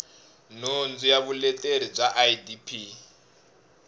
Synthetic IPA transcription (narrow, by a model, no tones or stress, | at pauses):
nond͡zijaβulɛtʼeɾib͡ʐaʔajidipʰi